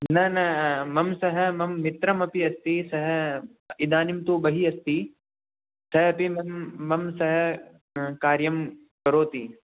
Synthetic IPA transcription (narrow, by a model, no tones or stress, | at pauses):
nɐnɐmɐmsɐɦɐ̆mɐmːɪt̪ɾɐmɐpiɐst̪isɐɦ̆ | id̪aːnimt̪oːbɐɦiɐst̪i | sɐɦɐpimɐmːɐmsɐɦɐ̆ | kaːɾjɐm | kɐɾoːt̪iː